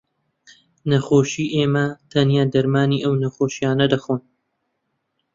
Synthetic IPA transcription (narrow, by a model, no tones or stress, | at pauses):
nɐxoːʃiːʔeːmɐt̪ʰɐnjaːd̪ɐɾmaːniːʔɐwnɐxoːʃijaːnɐd̪ɐxoːn